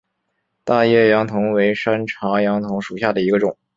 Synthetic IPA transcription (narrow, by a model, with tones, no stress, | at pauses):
t̪a˥˧jɛ˥˩jɑ˧˥ŋt̪ʰʊ˧˥ŋwe˧˥ɪʂa˥nʈ͡ʂʰɑ˧˥jɑ˧˥ŋt̪ʰʊ˧˥ŋʂu˨˩ɕja˥˩d̪ə˩i˧˥ɡə˧ʈ͡ʂʊ˨˩˦ŋ